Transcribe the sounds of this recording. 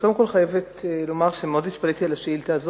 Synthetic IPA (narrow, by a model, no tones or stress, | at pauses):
kodemkolχajevet̪lo̞maʁʃemeod̪it̪palet̪ialaʃeilt̪aːzo